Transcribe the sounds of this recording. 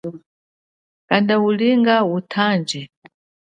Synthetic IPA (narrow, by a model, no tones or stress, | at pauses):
kandauliŋɡautʰaːnd͡ʒɛ